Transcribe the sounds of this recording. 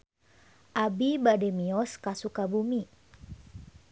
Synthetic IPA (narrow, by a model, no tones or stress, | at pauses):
ʔabibadɛmiɔskasukabumi